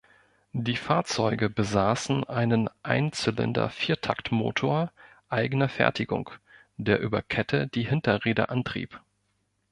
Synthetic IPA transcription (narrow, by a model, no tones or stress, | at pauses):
d̥iːfaːɐt͡sɔʏɡəbəzaːsn̩ʔaɪnənʔaɪnt͡sʏlə̰ndɐ̰fiːɐtʰaktmo̰ːtʰoːɐ | ʔaɪɡənɐfɛ̰ɐtʰɪɡʊ̰ŋ | d̥eːɐʔyːbɐkʰɛtʰəd̥iːhɪntɐʁeːdə̰ʔantʁ̥ḭːp